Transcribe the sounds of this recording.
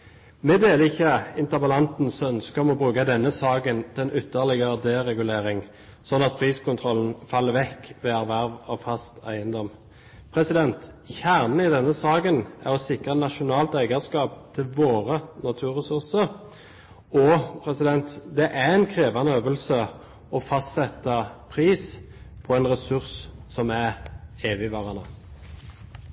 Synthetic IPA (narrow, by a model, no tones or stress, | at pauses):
mɛd̪eːlɪçːəɪnt̪əbɑlɑnt̪n̩sɔœnskəʁɔmɔbʁʉːkɑd̪ɛnːəsɑːɡənt̪ʰɛnʏt̪ːəʁlɪɡəʁəd̪ɛːʁɛɡʉleːɾɪŋ | sɔnːɑt̪̚pʰʁiːskʊnt̪ʰʁɔln̩fɑlːəʋɛkːʋeːɑʁʋæʁʋɔfɑst̪æ̰ɪənd̪ɔm | pʰʁɛsɪd̪ɛnt̪çæːʁnn̩ɪd̪ɛnːəsɑːɡənæʁɔsɪkʁənɑʃʊnɑːlt̪æɪɡəskɑːp̚t̪ʰɪlʋoːʁənɑt̪ʰʉːʁɛsʉʁsəʁ | ɔpʰɾɛsɪd̪ɛnt̪d̪ɛʔæɛɪnkʰʁeːʋɑnəøːʋəlsə | ɔfɑst̪sɛt̪ːəpʰʁiːspʰɔɛnʁɛsʉʁssɔmæʁeːʋɪʋɑːʁɑnə